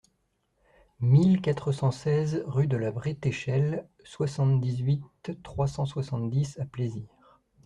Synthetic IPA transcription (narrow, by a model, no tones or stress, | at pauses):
milkat̪χəsɑ̃sɛzʁyd̪əlabʁit̪eʃɛl | swasɑ̃t̪d̪izɥit̪ːχwasɑ̃swasɑ̃t̪d̪isapleziːʁ